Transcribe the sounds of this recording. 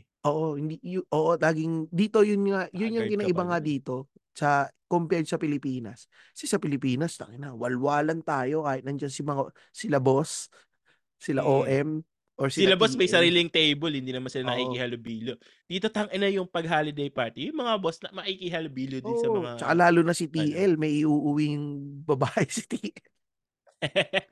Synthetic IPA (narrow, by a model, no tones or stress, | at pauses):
ʔoːʔo̞hɪnd̪ijʊʔoːʔolaːɡɪŋd̪iːt̪o̞jʊnŋajʊnjʊŋkɪnaʔɪbɐŋad̪iːt̪o̞ | sɐkompɪɛd͡ʒ̪sɐpɪlɪpiːnɐ̰s | sɪsɐpɪlɪpiːnɐst̪ɐ̰ŋʔɪnɐwɐlwaːlɐnt̪aːjo̞kaːhɪt̪̚nɐnd͡ʒɐnsɪmɐŋa | sɪlɐbo̞s | sɪlaʔoːʔɛm | ʔoɹsɪɪlɐbosmɐjsɐɾiːlɪŋt̪ɛjbolhɪnd̪iːnɐmansɪlanɐʔiihalobiːljo | d̪̥iːt̪o̞t̪ɐŋʔɪnɐjʊŋpɐɡ̚ɦaːlɪd̪ɛjpaɹt̪ijʊŋmɐŋabosnɐmɐʔikihalobiːljodʔɪsɐmɐat͡ʃɐkalaːlʊnɐsit̪iʔɛlmɐjʔɪʔuːʔʊwiŋbɐbaːʔɛsɪ̥t̪iːʔɛl